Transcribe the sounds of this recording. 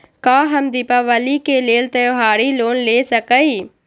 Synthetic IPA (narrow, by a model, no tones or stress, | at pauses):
kaːɦəmd̪ipaʋəliːkeːleːlt̪əjoɦaːɽiːloːnleːsəkəiː